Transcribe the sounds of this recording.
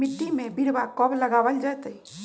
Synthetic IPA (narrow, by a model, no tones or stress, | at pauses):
ɪʈ̪ːimẽbiɾbakɔbləɡabəld͡ʒat̪əi